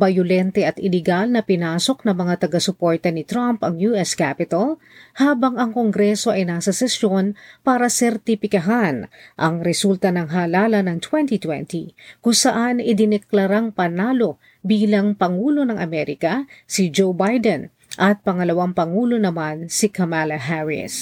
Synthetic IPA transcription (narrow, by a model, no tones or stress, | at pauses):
bɐjʊlɛnt̪ɛʔɐt̪ɪlɛɡalnɐpɪnaːso̞k̚nɐŋmɐŋat̪ɐɡasʊpoɹt̪ɐnɪt̪ɾampɐŋjuʔɛskapɪt̪ɐl | haːbɐŋɐŋko̞ŋɡɾɛso̞ʔɐjnaːsɐsɛsjo̞npaːɾɐsɛɾt̪ɪpɪkɐɦanʔɐŋɾɛsult̪ɐnɐŋɦaːlaːlɐnɐŋt̪wɛnt̪it̪wɛ̰nt̪ikʊŋsɐʔanɪd̪ɪnɛklɐɾaŋpɐnaːlo̞ | biːlɐŋpɐŋuːlo̞nɐŋʔɐ̰mɛɾɪkɐsid͡ʒowbajd̪ɛn | ʔɐt̪̚pɐŋɐlɐwaŋpɐŋuːlo̞nɐmansikɐmalɐɦaɹɪ̰s